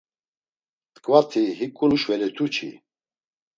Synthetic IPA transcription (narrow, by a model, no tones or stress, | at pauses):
t̪ʼkʼvat̪ʰiɦikʼunuʃvɛlɛt̪ʰut͡ʃʰḭ